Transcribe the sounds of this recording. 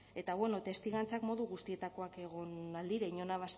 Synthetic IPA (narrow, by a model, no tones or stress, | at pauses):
e̞t̪aɣwe̞no̞t̪e̞st̪iɣant͡sakmo̞ðuɣust̪ie̞t̪ako̞ake̞ɣ̞o̞nald̪iɾeɲo̞naβ̞as